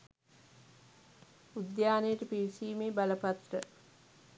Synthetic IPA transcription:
ud̪jaːnejəʈəpiʋisiːmeːbaləpat̪rə

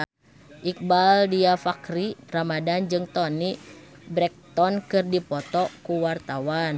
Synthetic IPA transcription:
ʔik̚baldiafakɾiramadand͡ʒɨŋt̪ɔni | bɾɛk̚t̪ɔnkɨrdipɔt̪ɔkuwart̪awan

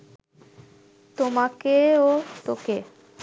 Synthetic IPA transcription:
t̪omakeot̪oke

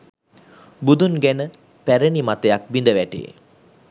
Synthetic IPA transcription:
bud̪unɡænə | pæɾənimat̪əjak̚bind̪əʋæʈḛ

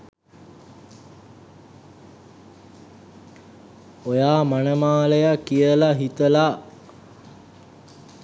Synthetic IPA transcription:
ojaːmanəmaːləjakːijəlaɦit̪əla

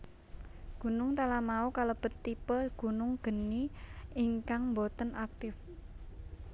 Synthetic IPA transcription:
ɡ̥ṳnʊŋt̪alamaukalob̥ə̤t̪ːipəɡ̥ṳnʊŋɡ̥ə̤niiŋkaŋmbot̪ənʔak̚t̪ɪf

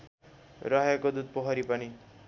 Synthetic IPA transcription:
ɾʌɦekod̪ud̪̚pʌɦʌɾipʌni

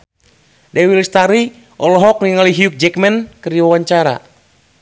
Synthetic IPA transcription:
dɛwilst̪aɾi | ʔɔlɔɦɔk̚niŋaliɦiuk̚d͡ʒɛkmɛnkɨrdiwawaɲt͡ʃaɾa̰

